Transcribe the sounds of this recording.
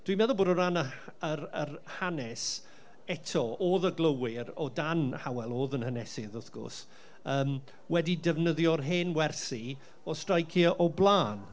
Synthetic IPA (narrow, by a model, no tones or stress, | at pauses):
d̥wimɛðɔlˠboːdɔɾanəərərhanɛs | ɛtʰɔoːðəɡlˠəwɪɾɔdanhawɛlˠoːðənhənɛsɪðʊθɡ̥ʊ̰s | əːm | wɛdidɛvnəðjɔrɦeːnwɛrsi | ɔstrajkʰʔɔblˠaːn